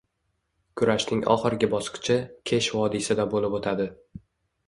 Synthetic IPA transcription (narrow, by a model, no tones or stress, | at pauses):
kʰʊɾaʃnɪŋʔɒ̰χɨɾɡʲabɒsqɨ̥t͡ʃʰɪkʲʰeʃvɒd̪ɪsad̪abolɪpot̪ʰad̪ɪ